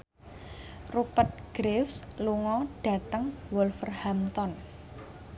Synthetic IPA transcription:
rupət̪̚ɡ̥ɾefsluŋɔɖ̥a̤t̪əŋwɔlfərhamt̪ɔn

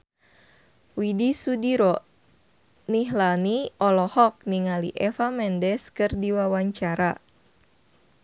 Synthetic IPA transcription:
widisudiɾɔ | niɦlaniɔlɔhɔk̚niŋaliʔɛfamɛndɛskɨrdiwawaɲt͡ʃaɾa

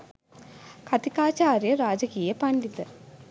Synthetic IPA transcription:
kʰɐt̪ikaːt͡ʃaːɾjɐɾaːd͡ʒɐkiːjepɐnlit̪ɐ

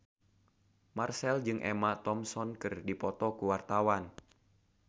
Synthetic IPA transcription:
marsɛld͡ʒɨŋʔɛ̰mat̪ɔmsɔnkɨrdipɔt̪ɔkuwart̪awan

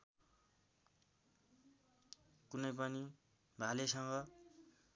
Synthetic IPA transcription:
kunʌjpʌni | bʱalesʌŋɡʌ

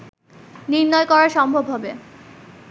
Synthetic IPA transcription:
niɾnɔekɔɾaɾʃɔmbʱobʱɦɔbe

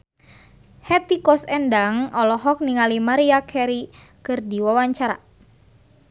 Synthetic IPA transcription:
hɛt̪ikɔsɛndaŋɔlɔɦɔk̚niŋalimaɾiakʰɛɾi | kɨrdiwawaɲt͡ʃaɾa̰

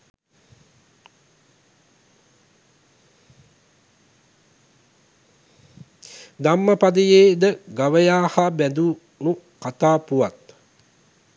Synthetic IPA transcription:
d̪amːəpad̪əjeːd̪əɡaʋəjaːhabæd̪u | mu | kat̪aːpuʋat̪

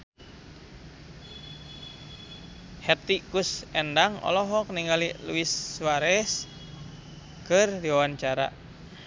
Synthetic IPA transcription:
hɛt̪ikusɛndaŋɔ̰lɔɦɔkəniŋalilṵiswaɾɛs | kɨrdiwawaɲt͡ʃaɾa̰

